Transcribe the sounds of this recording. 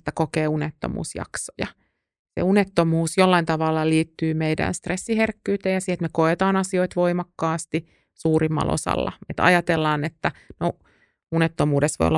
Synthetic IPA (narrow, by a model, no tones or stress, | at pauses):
t̪ːækokeːunet̪ːo̰mṵːsjɑ̰kso̥jɑ | sḛunet̪ːomuːsjolːɑint̪ɑʋɑlːɑliːt̪ːyːmeidæ̰nst̪resːiherkːyːt̪eːjɑsiɛlt̪mekoet̪ɑːnɑsioit̪ʋoimɑkːɑːst̪i | suːɾimːɑ̰lʔo̰sɑ̰lːɑ̰et̪ɑ̰jɑt̪elːɑːnet̪ːæno | unet̪ːomuːdesʋo̰jo̰ːɑ